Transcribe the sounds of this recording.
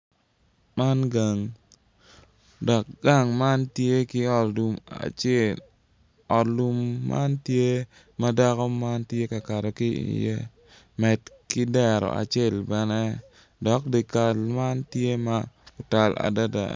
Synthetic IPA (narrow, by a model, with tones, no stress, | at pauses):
ma˦nɡa˨ŋ | dɔ˨k̚ɡa˦˨ŋma˦ntje˦kɪ˦ɔ˨tdu˨ma̰˨t͡ʃe˨l | ɔ˨tlu˦mːa̰˦ntje˦ | ma˦da˦kɔ˦ma˦ntje˦ka˨ka˨ɾɛ˨ki˦ḭjḛ˦ | mɛ˨tkɪ˦dɛ˨ɾɔ̰˨a̰˨t͡ʃe˦˨lbɛ˦nɛ˦ | dɔ˨˦k̚di˨ka˨lma˦ntje˦ma˦ʊ˨ta˨la̰˨da˦da̰˨